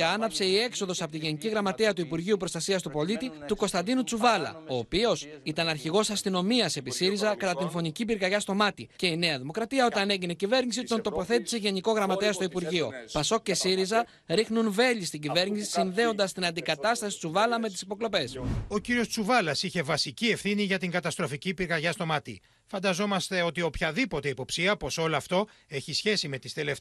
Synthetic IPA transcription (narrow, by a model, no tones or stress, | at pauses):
ɐnɐpse̞ie̞kso̞ðo̞sɐpot̪iʝe̞niciɣɾɐmɐt̪eɐt̪uipuɾʝiupɾo̞st̪ɐsiɐst̪upo̞lit̪it̪uko̞st̪ɐnd̪inut͡suvɐlɐ̰o̞ːpio̞s | it̪ɐnɐɾçiɣo̞sɐst̪ino̞miɐse̞pisiɾizɐkɐt̪ɐt̪info̞nicibiɾɣɐʝɐst̪o̞mɐt̪ice̞ine̞ɐðimo̞kɾɐt̪iɐo̞t̪ɐne̞ʝine̞cive̞ɾnisit̪o̞nt̪o̞po̞θe̞t̪i̥se̞ʝe̞niko̞ɣɾɐmɐt̪e̞ɐst̪o̞ipuɾʝio̞̰pɐso̞cːe̞siɾizɐ | ɾixnunve̞ʎist̪iɟive̞ɾnisisinðe̞o̞nd̪ɐst̪inɐnd̪ikɐt̪ɐst̪ɐsi̥t͡suvɐlɐme̞t̪̬isipo̞klo̞pe̞so̞ciɾio̞st͡suvɐlɐsiçe̞vɐsicie̞fθiniʝɐt̪iŋɡɐt̪ɐst̪ɾo̞ficipiɾɣɐʝɐst̪o̞mɐt̪ḭ | fɐnd̪ɐzo̞mɐst̪e̞o̞t̪io̞pçɐðipo̞t̪e̞ipo̞psiɐpo̞so̞loɐft̪o̞e̞çisçe̞sime̞t̪ist̪elef